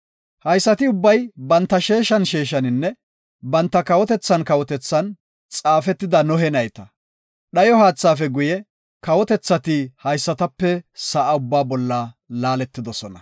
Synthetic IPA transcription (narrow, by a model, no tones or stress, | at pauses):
hɐjsːɐt̪ɪʊbːɐjbɐnt̪ːɐʃe̞ːʃɐnʃeːʃɐnɪnːɛ | bɐnt̪ːɐkɐwɔt̪ɛt͡sːɐnkɐwɔt̪ɛt͡sːɐn | t͡sʼaːfɛt̪ːɪd̪ɐnɔɦɛnɐjt̪ɐ | ɗɐjɔhaːt͡sːaːfɛɡʊjɛ | kɐwɔt̪ɛt͡sːɐt̪ɪhɐjsːɐt̪ɐpːɛsɐʔaʊbːaːbɔlːɐlaːlɛt̪ːɪd̪ɔsɔnɐ